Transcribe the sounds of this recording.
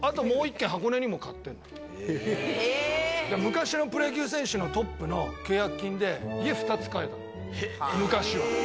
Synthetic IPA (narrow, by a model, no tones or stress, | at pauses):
at̪o̞mo̞ːikːẽɦako̞neɲ̟imo̞kat̪ːẽ̞nːo | d̪amɯ̟kaɕino̞pɯ̟ɾe̞ɡʲiɯːs̬ẽ̞ɰ̃ɕɨno̞t̪o̞pːɯ̟no̞kʲoːjakɯkʲːĩnd̪e̞ie̞ɸɯ̟̥t̪at͡sɨ̥kae̞t̪ã̰no | mɯ̟kaɕiβa